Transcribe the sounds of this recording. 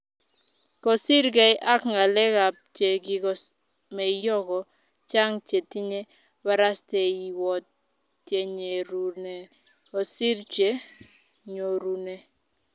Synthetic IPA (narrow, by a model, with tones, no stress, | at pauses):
kɔ˨si˦ɾɡɛ˨ɪ˦ʔa˦kŋa˨lɛ˦ka˨p̚t͡ʃe˨ɡɪ˨ɡɔ˨ | mɛ˨jɔ˦ɡɔ˨ | t͡ʃa˦ŋt͡ʃe˨ti˦ɲe˦ | wa˦ɾa˦stɛ˨i˨wɔ˨t | t͡ʃje˨ɲe˨ɾu˨ne˨ | ɔ˨si˦ɾt͡ʃe˦ | ɲo˨ɾu˨ne˨